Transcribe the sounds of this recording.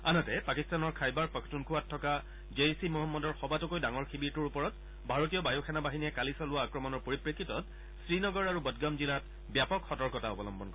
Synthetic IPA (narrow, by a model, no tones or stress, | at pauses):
a̰nɔtɛpakistanɔɹkʰajbaɹpɔkʰtunkʰʊwatʰːɔka | d͡ʒesimɔɦɔmːɔdɔɹxɔbatukojdaŋɔɹxibiɹtuɹupɔɹɔt | bʱaɹotijɔbajɔkʰanabaɦinijɛkalisɔlʊwaːkɹɔmɔnɔɹpoɹipɹekʰːitɔt | sɹinɔɡɔɹaɹubɔdɡamzilat | bjapɔkxɔtɔɹkɔtaɔbɔlɔmbɔnkɔ